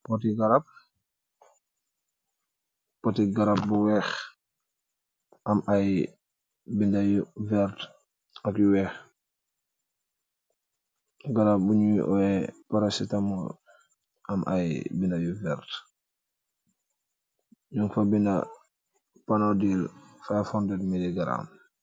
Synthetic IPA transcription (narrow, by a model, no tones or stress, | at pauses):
pɔtiɡaɾap̚ | potiɡaɾap̚buwɛx | ʔamʔaj | bindajuvɛɾt | akjuwɛx | ɡaɾap̚buɲuwḭʔɔɛpaɾasitamɔ | amʔa̰jbindajuvɛɾt | ɲuŋfabina | panodilfafɔndɛtmiliɡaɾa̰m